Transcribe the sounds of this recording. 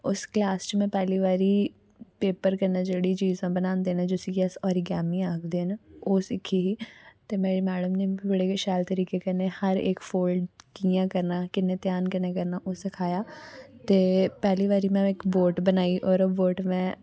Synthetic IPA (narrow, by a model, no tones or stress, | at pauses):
ʊsklaːst͡ʃmɛ̃pɛːliʋaːɾi | peːpəɾkɐɾnad͡ʒeːɽit͡ʃiːzãbɐnãːnd̪enad͡ʒosikiɛsɔːɾiɡɛːmĩaːkʰd̪eːnaoːsɪkʰːiɦit̪emeːɾemɛːɖəmnebɐɽekʃaːlt̪ɐɾiːkekɐɾnehɐɾḛːkfʰoːlɖkiːjãkɐɾnakɪnet̪jaːnkɐɾnekɐɾnaʔoːsɪkʰaːjaːt̪eːpɛːliʋaːɾimɛ̃ɪkboːʈbɐnaːiʔɔːɾboːʈmɛ̃